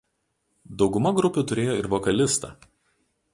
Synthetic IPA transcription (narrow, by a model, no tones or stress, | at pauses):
d̪ɒʊɡʊmɐɡɾʊpʲʊt̪ʊɾʲeːjoːɪɾʋɔkɐlʲɪst̪ɐ̰ː